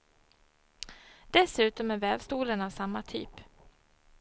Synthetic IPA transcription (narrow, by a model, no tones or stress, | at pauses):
d̪̥ɛsʉ̟ːt̪ɔmæɾvɛːvst̪uːlənavsamːat̪ʰy̰ːp